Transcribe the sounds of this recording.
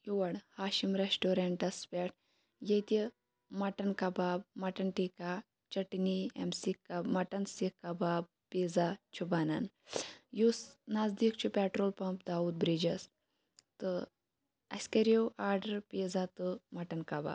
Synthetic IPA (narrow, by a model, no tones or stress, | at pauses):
juʋɐɽhaːʃimɾesʈoːɾeɳʈɐspʲeʈ̚ʰ | jɐjt̪i | mɐʈɐnkabaːb̚mɐʈɐnʈika | t͡ʃɐʈniḛmsikamɐʈɐnsikːabaːb̚ | piːzat͡ʃʰubanan | jusnazd̪ik̚t͡ʃʰupɛːʈɾoːlpɐmp̚d̪aːud̪̚bɾid͡ʒɐs | t̪ɨ | ɐ̰skɐɾewʔaːɾɖɐɾpid͡zat̪ɨmɐʈɐnkaba̰b